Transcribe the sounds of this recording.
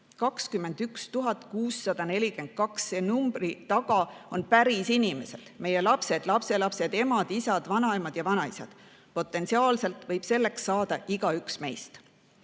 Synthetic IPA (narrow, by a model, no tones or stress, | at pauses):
kɑkskymːe̞nd̪̥ykst̪uɦɑt̪ˑkuːsːɑd̪̥ɑne̞lʲike̞nd̪̥̚kɑksseːnumbrit̪ɑɡ̥ɑo̞npæɾisinime̞se̞l̥me̞je̞lɑpse̞d̪̥lɑpse̞lɑpse̞d̪e̞mɑd̪̥isɑd̪̥vɑnɑemɑd̪̥jɑvɑnɑisɑ̰d̪̥ | po̞t̪ːˑe̞nt̪siɑːlse̞lt̪ˑvɤjb̥se̞lːe̞ksːɑːd̪̥ɑʔiɡ̥ɑyksme̞jst̪